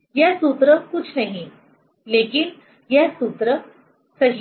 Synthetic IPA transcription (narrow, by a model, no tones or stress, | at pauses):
jasut̪ɾəkut͡sʰnaɦi | lekin | jasut̪ɾə | səɦi